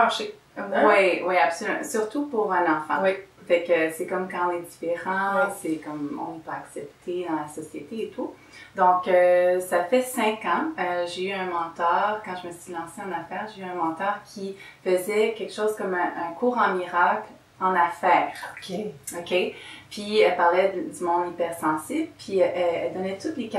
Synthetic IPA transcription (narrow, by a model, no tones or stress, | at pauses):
ʒ | wiwiapsɔlyɑ̰̃syʁt̪upuʁɛ̃nɑ̃fɑ̰̃wifɛkøsɛkɔmkɑ̃ɔ̃nɛd̪ifeʁɑ̃sɛkɔmɔ̰̃nɛpøaksɛp̚t̪ʰed̪ɑ̃lasɔsjet̪eːt̪ʰu | d̪ɔ̃køsafɛsɛ̃kɑ̃øʒeyɛ̃mɑ̃t̪œːʁkɑ̃ʒəməsɥilɑ̃seɑ̃nafɛːʁʒeyɛ̃mɑ̃t̪œːʁkʲʰifəzɛkʲɛlkʃoːz̥kɔmɛ̃ʔɛ̃kʰuːʁɑ̃miʁakl | ɑ̃nafɛːʁokokʲepɥiɛlpaʁlɛd̪ymɔ̃d̪ipɛʁsɑ̃sibləpʰɥiʔɛɛld̪ɔnɛt̪ut̪lek